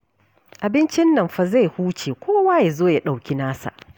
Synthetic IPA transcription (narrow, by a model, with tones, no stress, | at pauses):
ʔa˨bɪ˦nt͡ʃɪ˦nːɐ˨mɸa˨za˦˨jhuː˦t͡ʃeː˨kʷoː˦waː˦ja˨zoː˦ja˨˦ɗa˨wkʲi˦naː˦sa̰˨ʔ